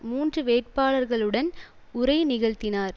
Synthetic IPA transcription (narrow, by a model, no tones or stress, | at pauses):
muːndrɯʋeːʈ̚paːɭɐɾɣɐɭɯɽɐn | ʊɾɐɪnɪɣɐɻt̪ɪnaːɾ